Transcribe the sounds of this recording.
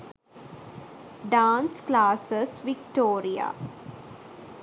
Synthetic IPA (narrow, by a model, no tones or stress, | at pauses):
ɖãːnsklaːsəsʋik̚ʈoːɾia̰